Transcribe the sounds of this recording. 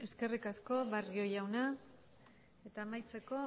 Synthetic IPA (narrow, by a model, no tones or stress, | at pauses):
e̞ske̞rikasko̞βario̞jawna | e̞t̪aːmajt͡se̞ko̞